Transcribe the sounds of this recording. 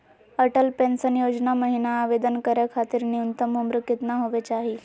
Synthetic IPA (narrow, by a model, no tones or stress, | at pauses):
əʈəlpensənjod͡ʑnaməɦinaːʋed̪ənkəɾjakʰat̪iːɾniunt̪əmumɾukːit̪naɦoʋet͡ɕaɦi